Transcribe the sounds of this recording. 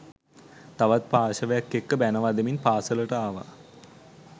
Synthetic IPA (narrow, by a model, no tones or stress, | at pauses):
t̪aʋat̪̚paːʃəʋejakːekːəbænəʋad̪eminpaːsələʈəaːʋa̰